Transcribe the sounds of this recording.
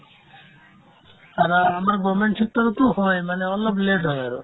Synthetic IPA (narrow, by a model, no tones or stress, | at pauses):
aɾamaɾɡɔmeɳʈʰik̪ːaɾt̪uhɔjmaneɔlːɔbleʈɦɔjaɾo̰